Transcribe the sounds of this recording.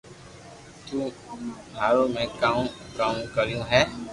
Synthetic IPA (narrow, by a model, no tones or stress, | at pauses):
t̪ũː | aːɾõːmẽkãːkaːmkəɾijũɦɛː